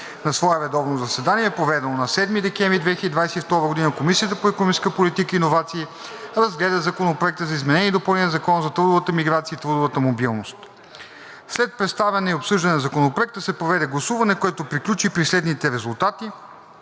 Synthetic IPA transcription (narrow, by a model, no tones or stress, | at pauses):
nɐsvɔɛvɛd̪ɔvnozɐsɛd̪aniɛɛpɾovɛd̪ɛnonɐsɛd̪mid̪ɛkɛɱvɾid̪vɛxçəd̪id̪vajsɛift̪ɔɾəɡod̪inəkomisiət̪əpoɛkoniskəpolit̪ikəinovat̪siː | ɾɐzɡlɛd̪əzɐkonopɾoɛk̚t̪əzɐizmɛnɛniːd̪opɐlˠnɛnəzɐkɔnzɐt̪ɾud̪ʊvət̪əmiɡɾat̪sijəit̪ɾud̪ʊvət̪əmobilˠnost̪ | slɛt̪̚pɾɛt̪st̪avɛnɛiopsɤʒd̪ɐnɛnzɐkonopɾoɛk̚t̪əsɛpɾovɛd̪ɛɡlˠɐsuvɐnɛkoɛt̪opɾiklʲut͡ʃipɾislɛd̪nit̪ɛɾɛzulˠt̪at̪i